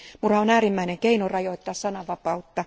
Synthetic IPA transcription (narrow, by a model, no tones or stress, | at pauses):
murɑonæːrimːæineŋkeinurɑjoit̪ːɑːssɑnɑʋɑpɑut̪ːɑ